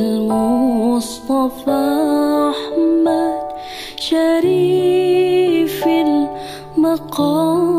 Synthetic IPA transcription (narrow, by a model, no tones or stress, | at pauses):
lmʊst̪ˤɑfaːʔaħmːad̪ | ʃaɾiː | fɪl | mɑqɑː